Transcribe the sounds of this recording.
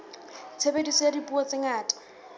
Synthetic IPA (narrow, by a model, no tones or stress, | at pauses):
t͡sʰebedisadipʼuɔt͡sɪŋaːtʼḁ